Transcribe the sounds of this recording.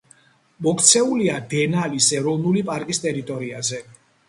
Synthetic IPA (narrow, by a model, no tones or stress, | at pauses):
mɔkʰt̪sʰɛuliad̪ɛnalisɛɾɔvnulipʼaɾkʼist̪ʼɛɾit̪ʼɔɾiazɛ